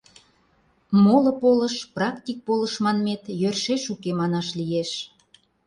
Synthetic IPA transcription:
molə̆poləʃprɑkt̪ʲik̚poləʃmɑnmet̪jørʃeʃukemɑnɑʃlijeʃ

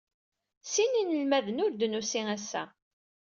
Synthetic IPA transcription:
sininəlmæðənʊɾd̪ənusiŋæsːæ̰

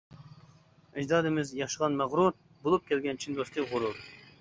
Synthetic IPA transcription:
ɪd͡ʒd̪ɑːd̪ɨmɪzjɑχʃəʁɑnmæʁɾuɾ̚ | bolˠup̚kʲʰɛlɡʲɛnt͡ʃʰind̪ost̪ʰɨkʁʊɾuɾ

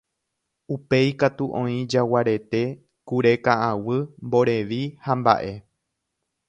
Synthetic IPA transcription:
upejkat̪uʔõ̞ĩd͡ʒawaɾe̞t̪e̞ | kuɾe̞kaʔawɨmbo̞ɾe̞ʋihamba̰ʔe̞

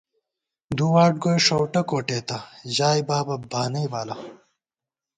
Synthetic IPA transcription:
d̪uwaːʈ̚ɡojʂowʈɐkoːʈeːt̪ɐʑaːjbaːbɐbʱaːnɐjbaːlɐ

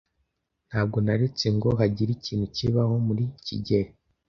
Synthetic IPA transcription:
n̥haːb̚ɡo̞naɾe̞t͡se̞ŋɡo̞ɦaɟiɾiciːn̤̥uciβaho̞muɾicḭɟeɾe

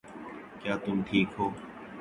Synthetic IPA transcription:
kjaːt̪ʊmʈʰiːkɦoː

